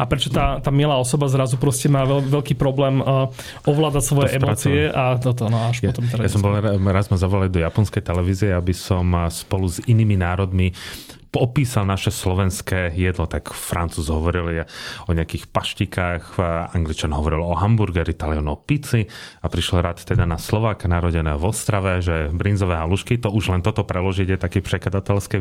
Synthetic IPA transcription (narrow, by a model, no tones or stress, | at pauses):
apɾɛt͡ʃɔt̪aːt̪aːmɪɛlaːɔsɔbazɾazupɾɔscɛmaːɛlʋɛlkiːpɾɔblɛːmː | ɔʋlaːd̪acsʋɔjɛʔɛmɾɔːt͡siɛʔat̪ɔt̪nɔaʃpɔt̪ɔmt̪ɛajasɔmbɔlɾazmazaʋɔlald̪ɔjapɔnskɛjt̪ɛlɛʋiːziɛabisɔmspɔluziniːminaːɾɔd̪mipɔpiːsalnaʃɛslɔʋɛnskɛːjɛd̪lɔt̪akfɾant͡suːzɦɔʋɔɾiljɛɔɲɛakiːxpaʃcikaːxaŋɡlit͡ʃanɦɔʋɔɾilɔɦambuɾɡɛɾit̪aliɔnɔpit͡siapɾiʃlɔɾaːt̪t̪ːɛd̪anaslɔʋaːkanaɾɔɟɛnɛːɔʋɔst̪ɾaʋɛʒɛbɾinzɔʋɛːɦaluʃkit̪ɔuʒlɛnt̪ɔt̪ɔpɾɛlɔʒiɟjɛt̪akiːprɛkad̪at̪ɛlskɛ